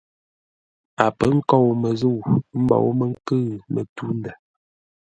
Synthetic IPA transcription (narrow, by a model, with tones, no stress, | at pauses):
a˨pə˦ŋ̩˦kɔ˦˨wmə˨zu˦˨wm̩˦bɔ̰˨wmə˦ŋ̩˦kə˦˨mə̰˨tu˦n˦dɛ˨